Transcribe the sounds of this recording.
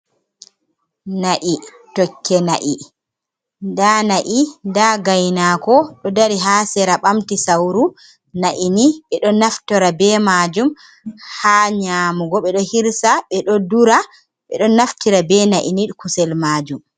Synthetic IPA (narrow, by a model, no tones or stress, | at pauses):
naʔi | tɔkʰːɛnaʔi | ndanaʔindaɡajnakɔɗɔdaɾiɦaːsɛɾaɓamtisawɾu | naʔiniɓɛɗɔnaftɔɾabɛmad͡ʒum | haɲaːmuɡɔɓɛɗɔhiɾsaɓɛɗɔduɾa | ɓɛ̰ɗɔnaftiɾabɛnaʔinikusɛlmaːd͡ʒum